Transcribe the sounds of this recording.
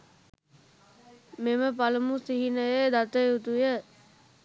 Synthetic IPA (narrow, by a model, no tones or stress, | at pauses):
meməpaləmusiɦinəjəd̪at̪əjut̪ujə